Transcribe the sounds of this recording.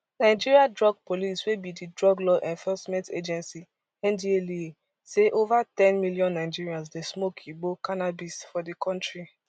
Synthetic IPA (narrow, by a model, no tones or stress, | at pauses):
naɪd͡ʒiɹiadɹɔɡ̚poliswebididɹɔɡlɔʔɛ̃nfɔsmɛ̃nted͡ʒɛ̃nsi | ɛ̃ndielie | seʔovatɛ̃nmiljɔ̃nːaɪd͡ʒiɹiãns̬desmokʰibokanabisfɔdikʰɔ̃ntɹi